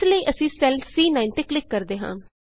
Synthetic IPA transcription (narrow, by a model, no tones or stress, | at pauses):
ləiːʔəsĩːsɛlsiːnaːɪnt̪eːklɪkːəɾd̪eːɦã̰ː